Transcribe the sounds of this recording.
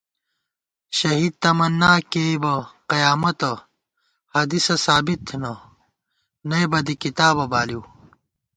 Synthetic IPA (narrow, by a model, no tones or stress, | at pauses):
ɕɐɦiːd̪̚t̪ɐmɐnːaːkeibɐqɐjaːmɐt̪ɐ | hɐd̪isɐsaːbit̪ʰːnɐ | nɐjbɐd̪ikit̪aːbɐbaːliw